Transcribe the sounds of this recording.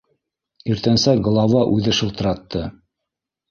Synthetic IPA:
iɾt̪ænsæɡ̆lˠɑvɑʔʉðɘʃɤlˠt̪ɤ̆ɾɑt̪ːɤ

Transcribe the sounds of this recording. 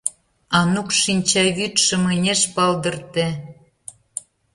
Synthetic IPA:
ɑnukʃinʲt͡ɕɑβyt̪ʃə̆menʲeʃpɑld̪ə̆rt̪ĕ

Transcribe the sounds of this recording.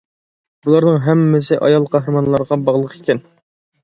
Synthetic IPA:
bulˠɑɾnəŋɦɛmːɪsɪʔɑ̰jɑlˠqʰɑɦɾɨmɑnlˠɑɾʁɑbɑʁlˠəqʰi̥kʲʰɛn

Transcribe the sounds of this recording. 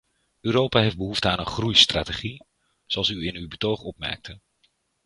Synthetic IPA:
øːɾowpaːɦejfd̚bəɦuftəaːnənχrujstra̰ːteχi | z̥oɑlˠsyɪnywbətowχɔpmɛ̰ɹk̚tʰə

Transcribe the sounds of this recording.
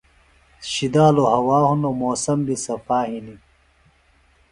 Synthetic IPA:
ɕid̪aːlohɐwaːhunomoːsɐmbisɐfaːhini

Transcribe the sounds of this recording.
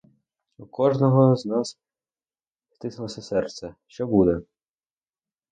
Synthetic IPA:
ukɔʒnɔɦɔznɑs | st̪ɪsɐlˠɔsʲɐsɛrt̪sɛʃt͡ʃɔbud̪ɛ

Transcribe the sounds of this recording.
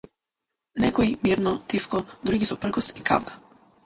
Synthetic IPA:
nɛkoimiɾnɔt̪ifkɔd̪ɾuɡisupr̩ɡɔsika̰ʋkḁ

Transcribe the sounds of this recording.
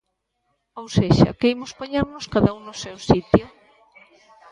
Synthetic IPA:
owseʃa̰kejmospaɲaɾnʊskaðauŋnʊsewsit̪jo

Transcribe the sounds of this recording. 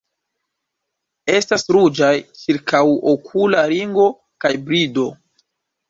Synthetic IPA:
e̞stasɾud͡ʒajt͡ʃiɾkʰawokʰulaɾiŋɡo̞ | kajbɾido̞

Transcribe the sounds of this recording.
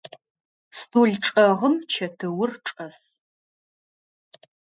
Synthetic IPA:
stʰʼuɮʈ͡ʂʼɐʁəmt͡ʃʰɐtʰɨwʊrʈ͡ʂʼɐs

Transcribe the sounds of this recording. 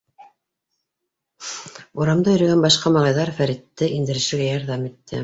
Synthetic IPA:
uɾɑmd̪ɑjɵ̆ɾæ̆ɡænbɑʃqɑmɑlˠɑjðɑɾfæɾit̪ːɘʔind̪ɘ̆ɾɘ̆ʃɘ̆ɾɡæjɑɾðɑmit̪ːɘ̰

